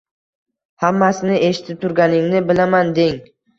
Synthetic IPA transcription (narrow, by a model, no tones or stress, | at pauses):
hamːasɪnɪʔe̞ʃɪ̥t̪ʰɪp̚t̪ʰʊɾɡʲanɪŋnɪbɪlamand̪eŋ